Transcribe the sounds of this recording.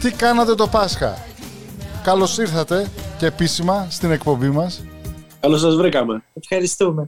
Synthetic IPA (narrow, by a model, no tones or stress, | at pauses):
t̪ikɐnɐt̪e̞t̪o̞pɐsxɐ̰ | kɐlo̞siɾθɐt̪e̞ceːpisimɐst̪ine̞kpo̞mbimɐskɐlos̬ɐzvɾikɐmeefxɐɾist̪ume